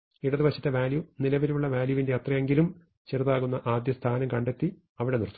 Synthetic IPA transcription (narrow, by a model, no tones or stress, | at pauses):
iɽɐðiʋɐɕɐ̥t̪ːe̞ʋaːljunilɐʋiɾuɭːɐʋaːljuʋinde̞jɐt̪rɐje̞ŋɡilum | t͡ɕerðaːɣunːɐʔaːd̪jɐst̪ʰaːnɐmkɐɳɖe̞t̪ːi | ɐʋiɽe̞nirt̪ːu̥